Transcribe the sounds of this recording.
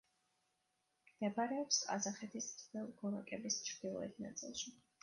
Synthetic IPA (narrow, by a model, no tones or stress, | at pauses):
d̪ɛbaɾɛɔpsa̰zaχɛt̪ʰist̪vɛlˠɡɔɾakʼɛbist͡ʃʰɾd̪ilˠɔ̰ɛ̰t̪ʰna̰t̪sʼḭlˠʃi